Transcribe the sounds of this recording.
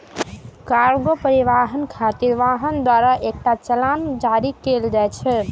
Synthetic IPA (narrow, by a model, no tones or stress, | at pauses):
kaɾɡopəɾiʋaɦənkʰat̪iɾʋaɦənd̪waɾaʔek̚ʈat͡ʃəland͡ʒaɾikeld͡ʒajt͡ʃʰɛ